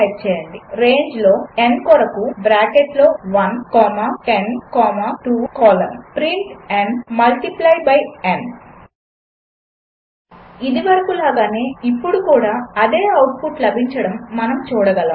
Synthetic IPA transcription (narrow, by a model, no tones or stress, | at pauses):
ɐt͡ʃɛːjɐɳɖiɾe̞ːɲd͡ʒlo̞ːenkɔɾɐkubɾaːkeʈlo̞ːʋɐnkɔːmaʈenkɔːmaʈuːkɔːlɐmpɾiɳʈɛɳmɐlʈiplɐjbɐjen | id̪iʋɐɾɐkulaːɡaːne̞ːipːuɽukuːɽaːɐd̪e̞ːɐwʈ̚puʈlɐbʱiɲt͡ʃɐɽɐmːɐnɐmt͡ʃuːɽɐɡɐlɐ